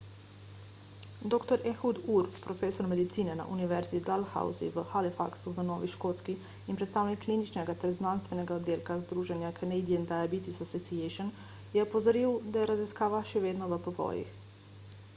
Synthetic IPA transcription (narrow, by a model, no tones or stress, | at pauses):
d̪okt̪oɾexud̪uɾpɾofesoɾmed̪it̪siːnena̰ʔuniʋeɾzid̪alxa̰ṵzḭʋəxalifa̰ksuʋənoːʋiʃkot̪skiː | mpɾet̪st̪awnikːlinit͡ʃneɡat̪ɛɾznanst̪ʋeneɡaod̪ilkazd̪ɾuːʒenjakʰenejd̪iend̪ajabit̪isosit̪sieʃon | jeopozoɾiwd̪ajeɾaziskaːʋaʃeʋeːd̪noʋəpoʋo̰jḭx